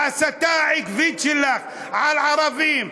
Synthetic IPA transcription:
asat̪aːʕɪkvit͡ʃilax | ʕalʕɑɾˤɑbiːm

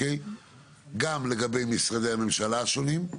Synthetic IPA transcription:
ej | ɡamle̞ɡabe̞jmisʁad̪ejhame̞mʃalaʃo̞nim

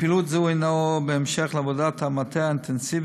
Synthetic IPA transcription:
pilut̪zunaobeemʃeχleavodat̪hamat̪eaint̪ensiv

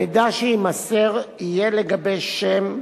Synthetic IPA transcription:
id̪aʃeimaseʁijeleɡabejʃem

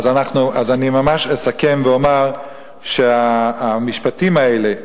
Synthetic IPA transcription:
azanaχnuazanimamaʃesakemveomaʁ | ʃeaːmiʃpatimaele

